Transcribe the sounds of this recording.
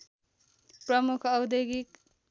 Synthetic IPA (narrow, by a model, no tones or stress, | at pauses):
pɾʌmukʰʌwd̪eɡik